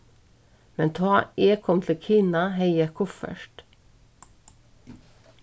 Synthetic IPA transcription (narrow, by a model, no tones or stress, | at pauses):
mɛnt̪ʰɑːʔeːkʰɔmt̪ʰl̩kʰiːnɑheɪəkʰʊfə̰ʃʈ